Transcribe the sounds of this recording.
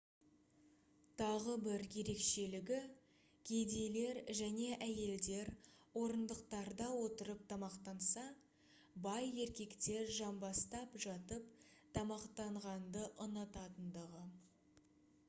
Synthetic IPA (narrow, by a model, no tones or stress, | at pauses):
t̪ʰɑʁəbɪɾje̞ɾe̞kʃe̞lɪɡʲɪ | kʲʰed̪ele̞ɾʒæne̞ʔæje̞ld̪e̞ɾwo̞ɾənd̪əqt̪ɑɾd̪ɑwo̞t̪əɾəp̚t̪ʰɑmɑqt̪ɑnsɑ | bɑje̞ɾkʲe̞kt̪e̞ɾʒɑmbɑst̪ɑpʒɑt̪əpt̪ʰɑmɑqt̪ɑɴʁɑnd̪əʔənət̪ɑt̪ənd̪əʁə